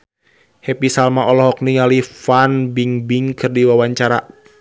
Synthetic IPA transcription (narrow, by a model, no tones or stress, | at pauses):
hɛpisalmaʔɔlɔɦɔk̚niŋalifanbiŋbiŋkʰɨrdiwawaɲt͡ʃaɾa̰